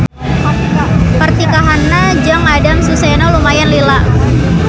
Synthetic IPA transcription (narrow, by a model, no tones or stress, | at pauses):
pərt̪ikaɦanːad͡ʒaŋadamsusɛnɔlumajanlila